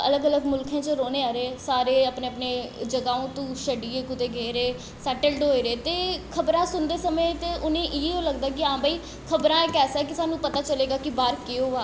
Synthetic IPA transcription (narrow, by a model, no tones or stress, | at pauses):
ə̰ləɡələɡmʊlkʰẽːt͡ʃəɾoːneːaːɾeːsaːɾeːəpneːəpneːd͡ʒəɡaːõːt̪õːʃəɖiːeːkʊt̪eːɡeːɾeː | sɛːʈəlɖɦoːiɾeːt̪eːkʰəbɾãːsʊnd̪eːsəmẽːt̪eːʔʊnẽːʔɪeːõːləɡd̪aːkɪãːbaːiː | kʰəbɾãːeːkɛːsɛːkɪsaːnːũːpət̪aːt͡ʃəleːɡaːkibaːɾkɪoːaː